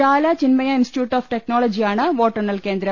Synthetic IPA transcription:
aːlaːt͡ʃɪnmɐjɐɪnsʈjuːʈːaːfʈɛk̚noːlɐd͡ʒijaːɳɐʋoːʈːɐnɐlkeːnd̪ɪɾɐ

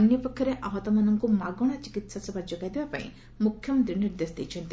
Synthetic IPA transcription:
njɔpɔkʰjɔɾeʔaɦɔt̪ɔmanɔŋkumaɡɔɽ̃at͡ʃikit̪sasɔbad͡ʒoɡajd̪ebapa̰ḭ̃ | mukʰjɔmɔnt̪ɾiniɾd̪esd̪ejt͡ʃʰɔnt̪i

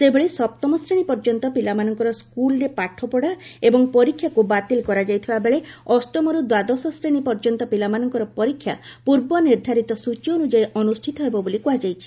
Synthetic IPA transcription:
sebeɭesɔp̚t̪ɔmɔsɾeɽ̃ipɔɾd͡ʒɔnt̪ɔpilamanɔŋkɔɾɔskulɔɾepaʈʰɔpɔɽaebɔŋpɔɾikʰːjakubat̪ilkɔɾad͡ʒajt̪ʰibabeɭeɔsʈɔmɔɾud̪wad̪ɔsɔsɾeɽ̃ipɔɾd͡ʒɔnt̪ɔpilamanɔŋkɔɾɔpɔɾikʰːja̰puɾbɔniɾd̪ʱaɾit̪ɔsut͡ʃɔonud͡ʒajʔɔnusʈʰit̪ɔɦebɔbolikuɦad͡ʒajt͡ʃʰi̥

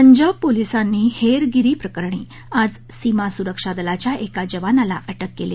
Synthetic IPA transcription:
əɲd͡ʑəb̚polisanːiːheɾɡiɾiːpɾəkəɾɳiː | ad͡z | simasuɾəkʂad̪əlat͡ɕjaʔekad͡ʑəʋanalaʔəʈəkːele

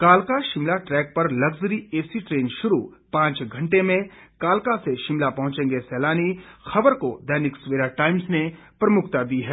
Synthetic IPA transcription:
kaːlkaʃɪmlaʈɾɛːk̚pɐɾlɐɡzɾieːsiʈɾeːnʃʊɾupãːt͡ʃɡʱɐ̃ɳʈemẽkaːlkaseʃɪmlapɐɦʊ̃t͡ʃẽːŋɡesɛːlaːnixɐbəɾkod̪ɛːnɪkswʋeːɾaʈaːɪmsnepɾɐmʊkʰt̪ad̪iɦɛː

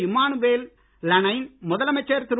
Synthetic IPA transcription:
ɪmaːnuʋeːl | lɐnɐjnmɔðɐlɐmɐt͡ʃːeːɾt̪ɪɾ

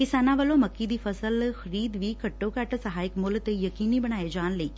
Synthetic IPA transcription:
kɪsaːnãʋəlõːməkːid̪iːpʰəsəlxəɾiːd̪ʋiːkəʈːoːkɛʈsəɦaːɪkmʊlt̪ejəkiːniːbəɽ̃aːed͡ʒaːnləiː

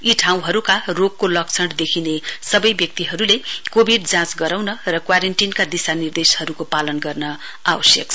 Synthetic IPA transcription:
iʈʰaw̃ɦʌɾukaroɡ̚kolʌk̚t͡sʰʌɽd̪ekʰinesʌbʌjbjʌk̚t̪iɦʌɾulekobʱiɖd͡zãt͡sɡʌɾawnʌrʌkwaɾenʈinkad̪isanird̪eshʌɾukopalʌnɡʌrnʌ | awʌsjʌkt͡sʰ

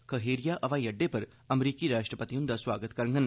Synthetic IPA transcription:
kɐɦeːɾijaʔɐʋãjɐɖːepɐɾ | ɐmɾiːkiɾaːʃʈɾəpət̪ijũnd̪aswaːɡət̪kɐɾŋɡən

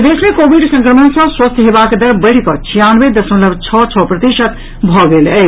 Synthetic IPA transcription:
d̪esmekobiɖsə̃ŋkɾəmənsə̃swəst̪ʰɦebaked̪əɾbəɽ̤kɔt͡ʃʰijanʋed̪əsmẽləbt͡ʃʰɔt͡ʃʰɔpɾət̪iʃət̪ | bʱɔɡelə

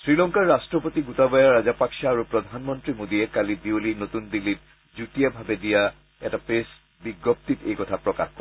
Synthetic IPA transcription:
sɹilɔŋkaɹːastɹɔpotiɡutabajaɹazapaksaːɹupɹɔd̪ʱanmɔntɹimodiɛkalibiolinot̪undilːit̚ | zutijabʱabɛdija | ɛtapes | biɡɔp̚t̪itejkɔtʰapɹɔka̰xkɔɛ

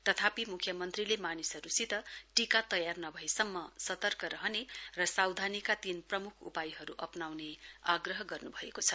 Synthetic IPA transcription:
t̪ʌt̪ʰapimukʰːjʌmʌnt̪rilemanisʌɾusit̪ʌʈikat̪ʌjarnʌbʱʌesʌmːʌsʌt̪ʌrkʌɾʌɦʌnerʌsawd̪ʱanikat̪inprʌmukʰṵpajɦʌɾuʔʌpnawneaɡrʌɦʌɡʌrnubʱʌekot͡sʰʌ

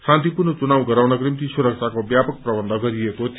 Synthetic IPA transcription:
sãnt̪ipurnʌt͡sunawɡʌɾawnʌkrimt̪isuɾʌk̚t͡ʃʰakobjapʌk̚prʌbʌnd̪ʱʌɡʌɾiekot̪ʰ

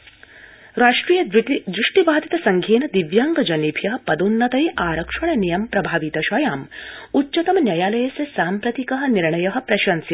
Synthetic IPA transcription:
ɾaːʂʈɾiːjɐd̪ɾuʂʈibaːd̪it̪ɐsɐŋɡʱeːnɐd̪iʋjaːŋɡɐd͡ʒɐniːpʰjɐɦɐpɐd̪unːɐt̪ɐjʔaːɾɐkʂɐɳɐnijɐmpɾɐbʱaːʋit̪ɐʃɐjaːmutːt͡ʃɐt̪ɐmnjɐjaːlɐjɐsɐsaːmpɾɐt̪ikɐɦɐ̆niɾɳɐjɐɦɐ̆pɾɐʃɐnsit̪

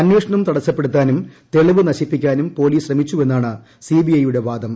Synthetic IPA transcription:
ɐnjeːʂɐɳɐumt̪ɐɽɐt͡ɕːɐpːe̞ɽut̪ːaːnumt̪e̞ɭiʋɨnɐɕipːikʲːaːnumpo̞ːliːsɕrɐmit͡ɕːue̞nːaːɳɨ | siːbijɐjuɽe̞ʋaːd̪ɐm

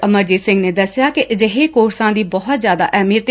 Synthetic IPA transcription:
əməɾd͡ʒiːsɪ̃ŋɡneːd̪əsːɪjaːkɪʔd͡ʒəɦeːkoːɾsãːd̪iːbɔɦʊt̪zjaːd̪a̰ːʔɛːmiːət̪

